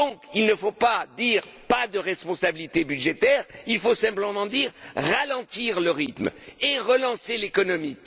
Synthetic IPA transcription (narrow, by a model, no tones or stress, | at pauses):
ɔ̃kilnəfopad̪iʁ | pad̪əʁɛspɔ̃sabilit̪ebyd̪ʒet̪ɛːʁilfosɛ̃pləmɑ̃d̪iʁʁalɑ̃t̪iʁləʁit̪meʁəlɑ̃selekɔnɔmi